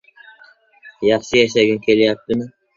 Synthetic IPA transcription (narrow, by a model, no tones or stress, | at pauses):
jɑχʃɪjaʃ̬aɡʲɪnkʲʰe̞lɪjap̚t̪ɪmɪ